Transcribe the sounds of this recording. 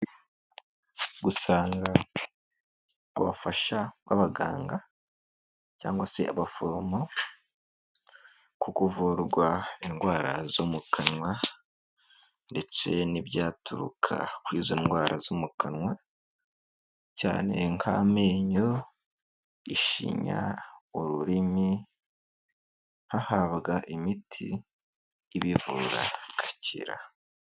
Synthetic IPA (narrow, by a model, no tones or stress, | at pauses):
ɡusaːŋɡa | βa̰faʃaβa̰βaɡa̰ːŋɡa | ca̰ːŋɡwasḛʔaβafomo | kukuvuɾɡwaenɡwaːɾa̰zomukʰanŋwa | nde̞t͡se̞nibɟaːtuɾṵkʰa̰kwiːzo̞nɡwaːɾʔazomukʰanŋwa | caːne̞ŋkʰameːɲo | iʃḭɲa̰oɾuɾimi | hahaβɡaʔimitʰḭː | βivuɾa̰kʰḁcʰḭɾa̰